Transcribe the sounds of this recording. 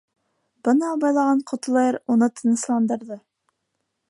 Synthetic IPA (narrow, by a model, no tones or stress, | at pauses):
b̥ɤnɑːbɑjlˠɑʁɑɴqʰŏt̪̆lˠɑɤɾunɤt̪ɤ̆nɤ̆slˠɑnd̪ɤ̆ɾðɤ